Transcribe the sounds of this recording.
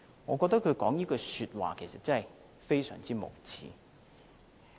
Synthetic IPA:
ŋɔː˨˧kɔː˧k̚t̪ɐ˥kʰɵ˨˧ɥkɔː˨˥ŋjiː˥kɔː˧syː˧t̚wa̰ː˨kʰe˨˩jsɐ˨t̚t͡sɐ˥ɐ˨j | fe˥jsœ̰ː˨˩ŋt͡siː˥mo̰˨˩wt͡sʰḭː˨˦

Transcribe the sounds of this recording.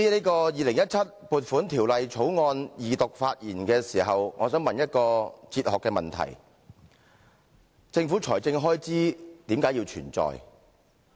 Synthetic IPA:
i˥leː˥kɔː˧jiː˨˧lɪ˨˩ŋjɐ˥t̚t͡sʰɐ˥t̚puː˨t̚fuː˨˥nt̪ʰiː˨˩wlɐ˨jt͡sʰo˨˥wŋɔː˧njiː˨t̪ʊ˨k̚faː˧t̚jiː˨˩nkɛː˧siː˨˩ɦɐ˨wŋɔː˨˧sœː˨˥ŋmɐ˨njɐ˥t̚kɔː˧t͡siː˧t̚hɔː˨kːɛː˧mɐ˨nt̪ʰɐ̰˨˩j | t͡sɪ˧ŋfuː˨˥t͡sʰɔː˨˩jt͡sɪ˧ŋɦɔː˥jt͡siː˥t̪iː˨˥mkaː˨˥ji˧wt͡ʃʰyː˨˩nt͡sɔ̰ː˨j

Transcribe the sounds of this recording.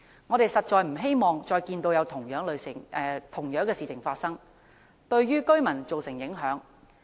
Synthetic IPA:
ŋɔː˨˧t̪e˨jsɐ˨t̚t͡ʃɔː˨˧jm̩˨˩ɦe˥jmɔː˨ŋt͡ʃɔː˧jkiː˧nt̪o˧wjɐ˨˧wt̪ʰʊ˨˩ŋjœː˨˥ŋlɵ˨˧ɥsɪ˨˩ŋɛ˨t̪ʰʊ˨˩ŋjœː˨˥ŋkɛː˧siː˨˩t͡sʰɪ˨˩ŋfaː˧t̚sɐ˥ŋ | t̪ɵ˧ɥɥyː˥kɵ˥ɥmɐ˨˩nt͡so˨wsɪ˨˩ŋjɪ˨˥ŋɦœː˨˥ŋ

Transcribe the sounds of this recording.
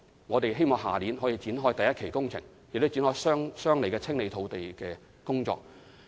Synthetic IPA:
ŋɔː˨˧t̪e˨jɦe˥jmɔː˨ŋɦa̰ː˨liː˨˥nɦɔː˨˥jiː˨˧t͡siː˨˥nɦɔː˥jt̪ɐ˨jɐt̚kʰe˨˩jkʊ˥ŋt͡sʰɪ̰˨˩ŋ | jɪ˨kt̪o˥t͡siː˨˥nhɔː˥jsœː˥ŋsœː˥ŋle˨˩kɛː˧t͡sʰɪ˥ŋle˨˧jt̪ʰo˨˧wt̪e˨jkɛː˧ | kʊ˥ŋt͡ʃɔ̰ː˧k̚

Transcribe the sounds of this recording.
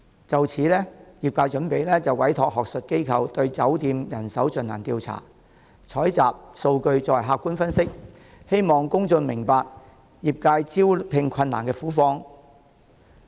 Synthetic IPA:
t͡sɐ˨wt͡sʰiː˨˥lɛː˥jiː˨p̚kaː˧jt͡ʃɵ˨˥npe˨˥jlɛː˥t͡sɐ˨wwɐ˨˥jt̪ʰɔː˨k̚hɦɔː˨k̚sɵ˨t̚ke˥jkʰɐ˨˧wt̪ɵ˧ɥt͡sɐ˨˥wt̪iː˧mjɐ˨˩nsɐ˨˥wt͡ʃɵ˨˧na̰ː˨˩nt̪iː˧wt͡sʰa̰ː˨˩ | t͡sʰɔː˨˥jt͡saː˨p̚so˧wkɵ˧ɥt͡sɔː˧˩˨ɦaː˧kːuː˥nfɐ˥nsɪ˥k̚ | he˥jmɔː˨ŋkʊ˥ŋt͡sɵ˧nmɪ˨˩ŋpaː˨k̚ | jiː˨p̚kaː˧jt͡siː˥wpʰɪ˧ŋkʷʰɐ˧nːaː˨˩nkɛː˧fuː˨˥fɔː˧ŋ

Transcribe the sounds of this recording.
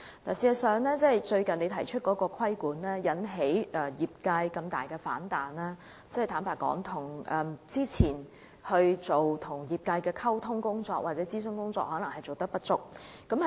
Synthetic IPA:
la̰ː˨˩siː˨˩ɐ˨˩sœː˨˧ŋlɛː˥t͡sɛ˥˨jt͡ʃɵ˧ɥkɐ˨ne˨˧jt̪ʰɐ˨˩jt͡ʃʰɵ˥t̚kɔː˨˥kɔː˧kʰwɐ˥jkuː˨˥nlɛː˥jɐ˨˥nɦe˨˥jʔɛː˧˩jiː˨p̚ka˧jkɐ˧mt̪a̰ː˨jkɛː˧faː˨˥nt̪aː˨˩nlaː˥ | t͡sɛ˥˨t̪aː˨˥npaː˨˩kɔ̰ː˨˥ŋt̪ʰʊ˨˩ŋʔɛː˨˩mt͡siː˥t͡sʰiː˨˩n | hɵ˧ɥt͡so˨wt̪ʰʊ˨˩ŋjiː˨p̚ka˧jkɛː˧kʰɐ˥wt̪ʰʊ˥ŋkʊ˥ŋt͡sɔː˧k̚wʔaː˨t̚t͡sɛ˨˥t͡siː˥s̬ɵ˥ŋkʊ˥ŋt͡sɔ̰ː˧k̚hɔː˨˥nɐ˨˩ŋhɐ˨˩jt͡so˨wt̪ɐ˥k̚pɐ˥t̚t͡sʊ˥k̚kɐ˨˥m˨

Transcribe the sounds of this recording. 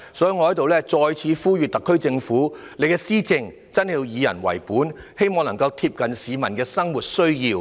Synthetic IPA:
sɔː˨˥ji˧ŋɔ˧hɐ˨˥jt̪o˨wlɛː˥t͡sɔː˧jt͡sʰiː˨˧fuː˥jyː˨t̚t̪ɐ˨˩kʰːɵ˥ɥt͡sɪ˧ŋfuː˨˥ | nle˨˧jkɛː˧siː˥t͡sɪ˧ŋ | t͡sɐ˥nhiː˧wjiː˨˧jɐ̰˨˩nwɐ̰˨˩jpuː˨˥nhe˥jmɔː˨˧ŋlɐ˨˩ŋkɐ˧wt̪ʰiː˧p̚kɐ˨nsiː˨˧mɐ˨˩nkɛː˧sɐ˥ŋwuː˨˩t̚sɵ˥ɥjiː˧w

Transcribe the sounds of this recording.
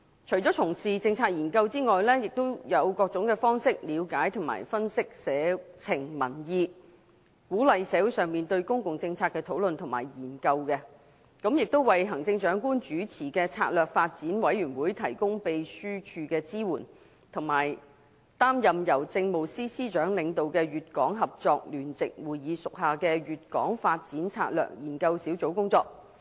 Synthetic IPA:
t͡ʃʰɵ˨˩jt͡sɔː˨˥t͡sʰʊ˨˩ŋsiː˨˩t͡sɪ˧ŋt͡sʰaː˧t̚jiː˨˩nkɐ˧wt͡siː˥ŋɔː˨jlɛː˥jɪ˨k̚t̪o˥wjɐ˨˧wkɔː˧k̚t͡ʃʊ˨˥ŋkɛː˧fɔː˥ŋsɪ˥k̚liː˨˧wkaː˨˥jt̪ʰʊ˨˩ŋma̰ː˨˩jfɐ˥nsɪ˥k̚sɛː˨˧t͡sʰɪ˨˩ŋmɐ˨˩njiː˧ | kuː˨˥lɐ˨jsɛː˨˥wuː˨˥jsœː˨ŋmiː˨nt̪ɵ˧ɥkʊ˥ŋkʊ˨ŋt͡sɪ˧ŋt͡sʰaː˧t̚kːɛː˧t̪ʰo˨˥wlɵ˨nt̪ʰʊ˨˩ma̰ː˨˩jjiː˨˩nkɐ˧wkɛ˧ | kɐ˨˥mjɪ˨k̚t̪o˥wwɐ˨jɦɐ˨˩ŋt͡sɪ˧ŋt͡ʃœː˨˥ŋkuː˥nt͡ʃyː˨˥t͡sʰiː˨˩kɛː˧t͡sʰa̰ː˧t̚lœː˨k̚faː˧t̚t͡siː˨˥nwɐ˨˥jɥyː˨˩nwuː˨˥jt̪ʰɐ˨˩jkʊ˥ŋpe˨jsyː˥t͡ʃʰyː˧kɛː˧t͡siː˥wuː˨˩n | t̪ʰʊ˨˩ŋmaː˨˩j | t̪aː˥mjɐ˨mjɐ˨˩wt͡sɪ˧ŋmo˨˩wsiː˥siː˥t͡ʃœː˨˥ŋlɪ˨˧ŋt̪o˨wkɛː˧ɥyː˨t̚kɔː˨˥ŋɦɐ˨p̚t͡sɔː˧k̚lyː˨˩nt͡sɪ˨k̚wuː˨˩jiː˨˧sʊ˨k̚ɦaː˨˩kɛː˧ɥyː˨t̚kɔ̰ː˨˥ŋfaː˧t̚t͡siː˨˥nt͡sʰa̰ː˧t̚lœ̰ː˨˩k̚jiː˨˩nkɐ˧wsiː˨˥wt͡so˨˥wkʊ˥ŋt͡sɔː˧k̚

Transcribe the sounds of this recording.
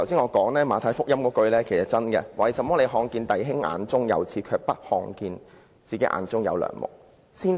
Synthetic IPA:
tʰɐ˨˩wsiː˥ŋɔː˨˧kɔː˨˥ŋlɛː˥maː˨˧t̪ʰaː˨˧˥jfʊ˥k̚jɐ˥mkɔː˨˧˥kɵ˧ɥlɛː˥kʰe˨˩jsɐ˨t̚t͡sɐ˥nkɛ̰˧wa˨˩jsɐ˨˧mːɔː˥le˨˧ɦɔː˧ŋkiː˧nt̪ɐ˨jɦɪ˥ŋa̰ː˨˧nt͡sʊ˥ŋjɐ̰˨˧wt͡sʰiː˨˧kʰœː˧k̚pɐ˥t̚hɔː˧ŋkiː˧n | t͡siː˨ke˨˦˥jʔa̰ː˨˧˥nt͡sʊ˥ŋjɐ̰˨˧wlœ̰ː˨˩ŋmʊ̰˨k̚ | siː˥n

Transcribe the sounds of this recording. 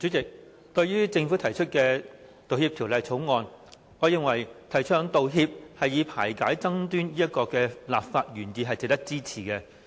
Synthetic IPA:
t͡ʃyː˨˥t͡sɪ˨k̚ | t̪ɵ˧ɥyː˥t͡sɪ˧ŋfuː˨˥t̪ʰɐ˨˩jt͡ʃʰɵ˥t̚kɛː˧t̪o˨whiː˧p̚t̪ʰi˨˩wlɐ˨˧jt͡sʰo˨˥wŋɔː˧n | ŋɔ˨˧jɪ˨ŋwɐ˨˩jt̪ʰɐ˨˩jt͡ʃʰœː˧ŋt̪o˨wɦiː˧p̚hɐ˨jjiː˨˧pʰaː˨˩jkaː˨˥jt͡sɐ˥ŋt̪yː˥njiː˥jɐ˥t̚kɔː˧kɛː˧laː˨p̚faː˧t̚ɥyː˨˩njiː˨ɦɐ˨jt͡sɪ˨k̚t̪ɐ˥k̚t͡siː˥t͡sʰiː˨˩kɛ˧

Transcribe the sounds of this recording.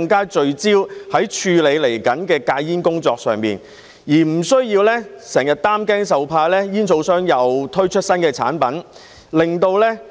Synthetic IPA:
ŋkaː˥t͡ʃɵ˨˧ɥt͡siː˥whɐ˨˥jt͡ʃʰyː˧le˨˧jle˨˩jkɐ˨˥nkɛː˧kaː˧jjiː˥nkʊ˥ŋt͡sɔː˧k̚sœː˨ŋmḭː˨n | jiː˨˩m̩˨˩sɵ˥ɥjiː˧wlɛː˥sɛː˨˩ŋjɐ˨t̚t̪aː˥mkɛː˥ŋsɐ˨wpʰaː˧jlɛː˥jiː˥nt͡sʰo˧wsœː˥ŋjɐ˨wt̪ʰɵ˥ɥt͡ʃʰɵ˥t̚sɐ˥nkɛː˧t͡sʰa̰ː˨˥npɐ˨˥n | lɪ˨˩ŋt̪o˧wlɛː˥

